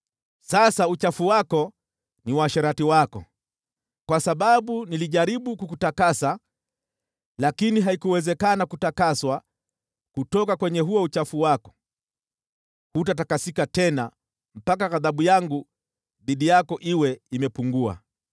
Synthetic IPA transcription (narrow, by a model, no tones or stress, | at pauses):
sasaut͡ʃafuwakɔ | niwaʃɛɾatiwakɔ̰ | kwasaɓaɓuniliʄaɾiɓukukutakasa | lakiniɦaikuwɛzɛkanakutakaswa | kutɔkakwɛɲɛɦuɔut͡ʃafuwakɔ̥ | hutatakasikatɛna | m̩pakaɣaðaɓujaŋɡu | ðiɗijakɔʔiwɛimɛpuŋɡua̰